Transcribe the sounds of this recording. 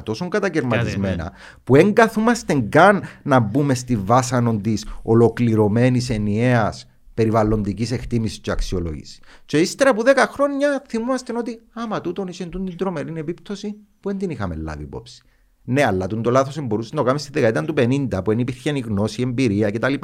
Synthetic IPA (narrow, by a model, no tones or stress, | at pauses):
t̪o̞soŋɡɐt̪ɐceɾmɐt̪izme̞nɐ̰ | pue̞ŋɡɐθumɐst̪e̞ŋɡɐnːɐbume̞st̪ivɐsɐno̞nd̪iso̞lo̞kliɾo̞me̞nise̞nie̞ɐs | pe̞ɾivɐlo̞nd̪icise̞kt̪imisi̥sceɐksio̞lo̰ʝḭsi̥ceist̪eɾɐpuðe̞kɐxɾo̞ɲːɐθimumɐst̪eno̞t̪iɐmɐt̪ut̪o̞nisent̪und̪ind̪ɾo̞me̞ɾine̞pipt̪o̞si | puend̪inixɐmḛlːa̰vḭːpo̞̰psi̥ | neɐlːɐt̪und̪o̞laθosembo̞ɾusent̪okamest̪iðekɐeiɐnt̪upe̞nind̪ɐpuenipiɾçeniɣno̞sie̞mbiɾiɐcet̪ɐlipa